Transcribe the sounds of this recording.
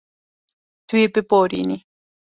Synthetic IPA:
t̪wipepoɾḭni

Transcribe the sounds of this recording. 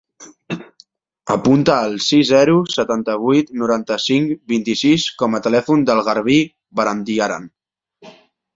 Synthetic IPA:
əpunt̪əːlˠsizzɛɾusət̪ant̪əβ̞ujt̪nuɾant̪əsiŋkbint̪isiskɔmət̪əlɛfund̪əlˠɣəɾβi | βəɾand̪iaɾa̰n

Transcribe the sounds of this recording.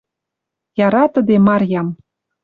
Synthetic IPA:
jɑɾɑt̪ə̆d̪emɑrʲjɑm

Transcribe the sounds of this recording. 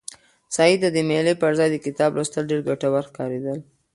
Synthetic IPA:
sɑid̪əd̪əmelepaɾzɑjd̪əkɪt̪ɑbɾost̪əlɖeɾɡaʈawaɾxkɑɾed̪əl

